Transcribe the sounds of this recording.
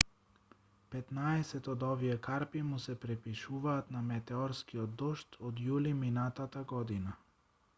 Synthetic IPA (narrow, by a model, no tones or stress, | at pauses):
pɛt̪naɛsɛt̪ɔd̪ɔviɛkaɾpimusɛpɾɛpiʃuvaːt̪namɛt̪ɛɔɾskiɔd̪ːɔʃt̪ʰɔd̪juliminat̪at̪aɡɔd̪ina